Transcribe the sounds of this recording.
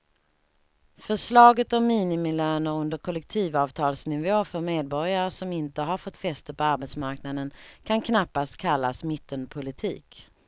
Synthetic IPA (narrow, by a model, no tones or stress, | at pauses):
fœʂlɑːɡət̪ɔmːiːnɪmɪløːnəɵnd̪əɾkʰɔlɛk̚t̪ʰiːvɑːvt̪ʰɑːlsnɪvoːfœɾmeːd̪̚bɔɾjaɾəʂɔmɪnt̪əɦaɾfɔt̪ːfɛst̪əpʰɔaɾbɛt̪smaɾknad̪ənkʰankʰnapːast̪kʰalːasmɪt̪ːənpʰʊlɪt̪ʰḭːk